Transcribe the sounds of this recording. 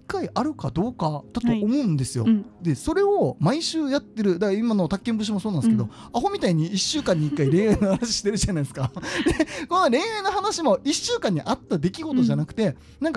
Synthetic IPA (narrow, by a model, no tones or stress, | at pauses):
ikːaiʔaɾɯ̟kad̪o̞ːkad̪̥at̪o̞ʔomo̞ɯ̟̃nd̪e̞sɨjo̰d̪e̞so̞ɾe̞omaiɕɨːjat̪ːe̞ɾɯ̟d̪akimano̞t̪akːẽ̞mbɯ̟ɕ̬imo̞soːnãnd̪sɨ̥ked̪o̞̰ | aɦo̞mʲit̪aiɲ̟iiɕːɨːkãɲ̟ːiːkːaiɾẽ̞ɰ̃anohanaɕi̥ɕi̥t̪e̞ɾɯ̟ʑanaisɨ̥kad̪eko̞nːoɾẽ̞ɰ̃anːohanaɕimo̞iɕːɨːkãɲ̟ːiʔat̪ːad̪e̞kʲiɡo̞t̪o̞ʑanakɯ̟t̪e̞ | nãŋka